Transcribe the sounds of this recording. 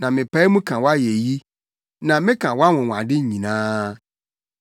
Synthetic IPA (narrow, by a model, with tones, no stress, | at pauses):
nã˨mɪ̃˨pʰa˦i˦mũ˦kʰã˨wɔ˦a˦je˨ji˦ | nã˨mɪ̃˦kʰã˨wa˦wɔ̃˨ŋʷ˨ã̰˨dɪ˦ɲ˨ɲĩ˨nãː˦